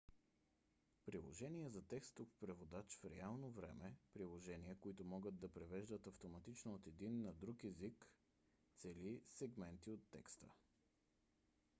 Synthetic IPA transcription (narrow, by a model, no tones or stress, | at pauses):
pɾilˠo̰ʒɛniɛzɐt̪ɛkst̪ofpɾɛvod̪at͡ʃfɾɛalˠnovɾɛ̰mɛpɾilˠoʒɛniəkoit̪omɔɡəd̪̚d̪ɐpɾɛvɛʒd̪ət̪ɐft̪omɐt̪it͡ʃnoot̪ɛd̪inːɐd̪ɾukɛzik | t̪sɛlisɛɡmɛnt̪iot̪ːɛ̰kst̪ə̰